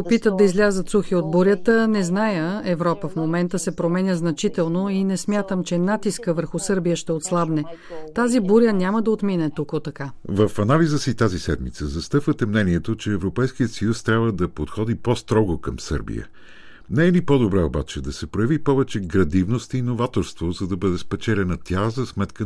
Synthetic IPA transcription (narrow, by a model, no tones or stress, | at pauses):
popit̪əd̪̚d̪ɐizlʲazət̪suxiod̪̚buɾʲət̪ənɛznajəɛvɾɔpəfmomɛnt̪əsɛpɾomɛnʲəznɐt͡ʃit̪ɛlˠnoinɛsmʲjat̪əmt͡ʃɛnat̪iskəvəɾxusɤɾbijəʃt̪ɛot̪slˠabnɛt̪azibuɾʲənʲaməd̪ɐot̪minɛt̪ukot̪ɐkavəfɐnalizəsit̪azisɛd̪mḭt̪səzɐst̪ɤfvət̪ɛmnɛniɛt̪ot͡ʃɛːvɾopɛjsk̟ijət̪səjust̪ɾʲabvəd̪ɐpot̪xɔd̪ipost̪ɾɔɡokəmsɤ̰ɾbḭjə̰ | nɛɛnipod̪obɾɛoba̰t͡ʃɛd̪ɐsɛpɾojəvipɔvɛt͡ʃɛɡɾɐd̪ivnost̪inovat̪oɾst̪vozɐd̪ɐbɤd̪ɛspɛt͡ʃɛlʲɛnɐt̪ʲʰazɐsmɛt̪kə